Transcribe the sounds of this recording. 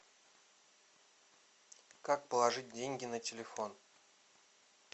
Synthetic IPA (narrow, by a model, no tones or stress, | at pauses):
kak̚pəlˠɐʐɨt̚ʲdʲenʲɡʲɪnətʲɪlʲɪfon